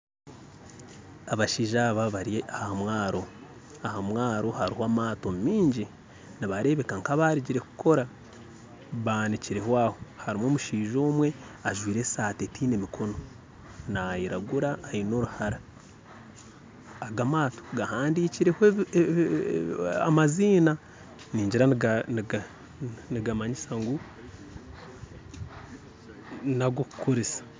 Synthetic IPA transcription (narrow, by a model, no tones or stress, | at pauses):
aβaʃiːʒaβaβaɾieahamwaːɾo̞ | ahamwaːɾo̞haɾihoaːmaːto̞mmiːɲɟi | niβaɾe̞βe̞kaŋkaβaɾiɟiɾe̞ku̥kʰo̞ɾa | βaniciɾe̞hwaːho̞haɾimoːmuʃiːʒoːmwe̞aʒwiːɾe̞saːtetʰiːne̞mikʰo̞no̞ | najiɾaɡuɾaːino̞ɾuhaɾa | ɡamaːto̥ɡahaːndiːciɾe̞hoe | amaziːna | niːɲɟiɾann | niɡamaɲisaŋɡu | naɡokukuɾisḁ